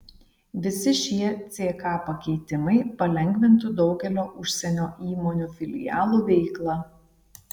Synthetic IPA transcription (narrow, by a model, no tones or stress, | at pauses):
ʋʲɪsʲɪʃʲiɛt̪sʲeːkɑːpɐkʲɛɪt̪ʲɪmɐɪpɐlʲɛŋʲɡʲʋʲɪnt̪ʊd̪ɒʊɡʲɛlʲoːʔʊʃʲsʲɛnʲoːʔiːmoːnʲuːfʲɪlʲɪ̰jɑ̰ːlˠuːʋʲɛɪklˠɑ